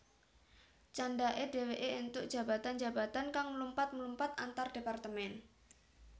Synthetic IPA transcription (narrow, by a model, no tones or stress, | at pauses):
t͡ʃandaʔedeweʔeunt̪ʊʔ̚d̥ʒ̥a̤bat̪and͡ʒa̤bat̪ankaŋməlumpat̪̚məlumpat̪ant̪ard̥epart̪əmɛn